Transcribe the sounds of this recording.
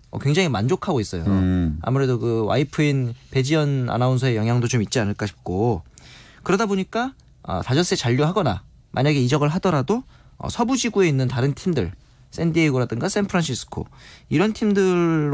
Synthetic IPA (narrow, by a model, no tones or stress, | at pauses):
ʌ̰kwe̞ŋd͡ʑaŋimand͡ʑokʰaɡois͈ʌjoa̰muɾe̞dokɯwa̰ipʰɯinpe̞d͡ʑiʌna̰nauns̬ʰʌe̞jʌŋɦjaŋdot͡ɕomit̚t͡ɕ͈ianɯɭk͈aɕʰi̥p̚k͈o | kɯɾʌdaboɲik͈a | ʌ̰tad͡ʑʌs͈et͡ɕaʎːoɦaɡʌna | mʔa̰ɲaɡe̞id͡ʑʌɡɯɭɦadʌɾado | ʌ̰sʰʌbud͡ʑiɡue̞inːɯntaɾɯntʰimdɯɭ | s͈ʰendieɡoɾadɯŋɡasʰenpʰɯɾanɕʰisʰɯ̥kʰo̰iɾʌntʰimdɯɭɭː